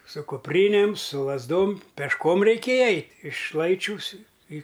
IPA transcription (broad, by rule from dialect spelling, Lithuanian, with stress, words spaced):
sʊ kʊpʲˈrʲiːnʲeːm sʊ lˠɐzˈdoːm pʲɛʃˈkoːm rʲɛɪˈkʲeːjɛ ˈɛɪtʲ ɪʃ ˈlˠɐɪt͡ʃʲuːs ɪ iː